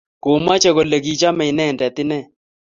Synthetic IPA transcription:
ko˨ma˦t͡ʃɛ˦ko˨le˨ɡi˦t͡ʃa˦mɛ˨ɪ˨nɛ˦˨ndɛ˨t̪ɪ˦nɛ˦

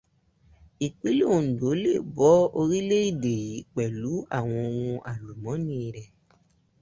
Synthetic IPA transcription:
i˨k͡pi˦lo˦˨do˨˦le˦˨bɔ˨˦o˧ɾi˦le˦i˦˨de˨ji˨˦k͡pɛ˨lu˨˦a̰˦˨w̃ɔ̃˧o˧wũ˧a˨lu˨mɔ̃˨˦nĩ˦˧ɾɛ˨

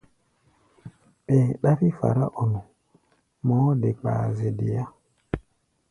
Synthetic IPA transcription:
ɓeː˨ɗa˦fi˦fa̰˨ɾa˦ʔɔ˨nʊ˨ | mɔ˨˦dɪ˨k͡pa̰ː˨zɪ˨dɪ˨ja˦

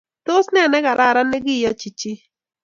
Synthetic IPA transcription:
t̪o˦snɛ˦˨nɛ˦ɣa˨ɾʔa˦˨ɾa˦nɛ˦ɡi˦˨jɔ˦t͡ʃi˨t͡ʃi˦

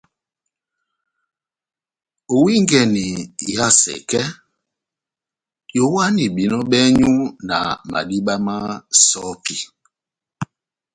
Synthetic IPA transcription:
o˨wi˦ŋɡɛ˨ni˨ja˦˨sɛ̰˨kɛ˦ | jo˨˦wa˦ni˨ɓi˨nɔ˦ɓɛ˦ɲu˦na̰˨ma̰˨ɗi˦ɓa˦ma˦sɔ˦pi˨

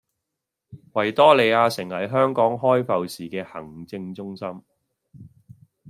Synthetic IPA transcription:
wɐ˨˩jt̪ɔː˥le˨˧jaː˧sɪ˨˩ŋhɐ˨˩jɦœː˥ŋkɔː˨˥ŋɦɔː˥jfɐ˨wsiː˨kɛː˧hɐ̰˨˩ŋt͡sɪ˧ŋt͡sʊ˥ŋsɐ˥m

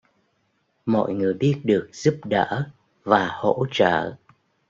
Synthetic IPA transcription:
mɔ̰˧˨jŋɨ˨˩əjɓi˦˥ət̚ɗɨ˨˩ək̚z̥u˦˥p̚ɗəː˧˥ | vaː˨˩ho̰˧˥t͡ɕə̰ː˧˩˨

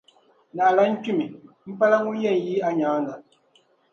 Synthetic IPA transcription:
na˨la˨˦n̩˦ku˦˨mi˨ | m̩˦pa˦la˦ŋu˦jɛ˦˨n˨ji˦a˦ɲaː˨˦na˨

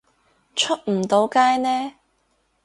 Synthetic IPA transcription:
t͡ʃʰɵ˥t̚m̩˨˩t̪o˨˥wkaː˥jnɛː˥

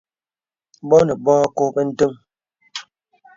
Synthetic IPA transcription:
bɔ˦nə˨bɔː˦ko˦pə˦n̩˦tə˦m

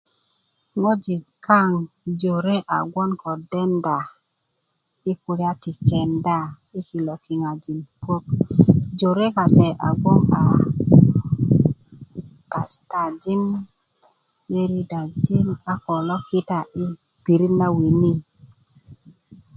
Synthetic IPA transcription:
ŋo˦d͡ʒi˨ka˦˨ŋ | d͡ʒo˨ɾe˦ʔa̰˨ɡwɔ˦nkɔ˨dɛ˦nda˨ | i˦ku˨ɾi˦a˦ti˨kɛ˨nda˦ | i˦ki˨lɔ˨ki˨ŋa˨d͡ʒi˨npwo˦k̚d͡ʒo˨ɾe˦ka˨sɛ˨ʔa̰˨ɡwɔ˦ŋa˨ | pa˨sta˨d͡ʒi˦n | me˦ɾi˦da˨d͡ʒi˦na˦kɔ˨lɔ˦ki˦ta˨ʔi˦ | pi˨ɾi˦nːa˦wi˨ni˦

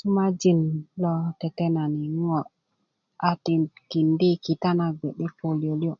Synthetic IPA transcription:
su˦ma˦d͡ʒi˦nlɔ˦te˨te˦na˨ni˨˦ŋɔ˨ | a˨ti˨ki˨ndi˦ki˨ta˦na˨ɡe˨ɗe˦ko˨ljo˨li˦o˦

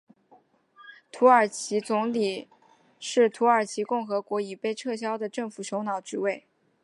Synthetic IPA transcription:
t̪ʰu˧˥ə˞˨˩t͡ɕʰi˧˥t͡sʊ˧˥ŋli˨˩ | ʂɻ̩˥˩t̪ʰu˧˥ə˞˨˩t͡ɕʰi˧˥kʊ˥˩ŋxɤ˧˥kwɔ˧˥i˨˩pe˥˧ɪʈ͡ʂʰɤ˥˩ɕ̬jɑ˥ʊd̪ə˨ʈ͡ʂɤ˥˩ŋfu˨˩ɕjo˧˥ʊnɑ˨˩ʊt͡ɕy˧˥we˥˩ɪ

